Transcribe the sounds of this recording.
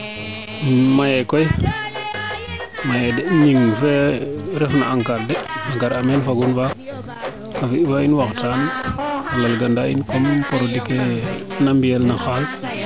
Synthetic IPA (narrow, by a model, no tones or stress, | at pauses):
majekoj | majedɛʔɲiŋfeɾɛfna̰aŋkaɾdɛaŋkaɾamenfaɡunfa | kafiʔfainwaktan | lalɡandaḭnkompoɾodikenambijelnaxal